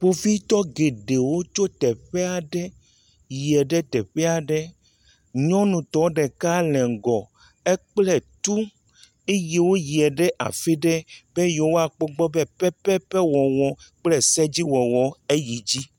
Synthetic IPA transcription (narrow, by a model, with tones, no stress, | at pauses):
ɸo˨fi˦t̪ɔ˦ɡe˨ɖe˨wo˦t͡ʃo˦t̪ɛ˨ɸɛ˦a˨ɖɛ˦ | ji˨ɛ˨ɖɛ˦t̪ɛ˨ɸɛ˦a˨ɖɛ˦ | ɲɔ̃˦nũ˨t̪ɔ˨˦ɖɛ˨ka˦lɛ˨ŋ˨ɡɔ˨ | e˦k͡plɛ˦t̪u˦ | e˦ji˨wo˦ji˨ɛ˨ɖɛ˦ʔa̰˨fe˦ɖɛ˦be˦jo˨wo˦a˨k͡pɔ˦ɡ͡bɔ˦bɛ˦pɛ˦pɛ˦pɛ˦wɔ˨wɔ˨k͡plɛ˦sɛ˦d͡ʑi˦wɔ˨wɔ˨e˦ji˨d͡ʑi˦